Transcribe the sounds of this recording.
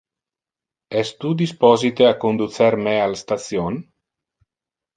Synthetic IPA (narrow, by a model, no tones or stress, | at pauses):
ɛst̪ud̪ispɔzit̪eakond̪ut͡seɾmealst̪at͡sjon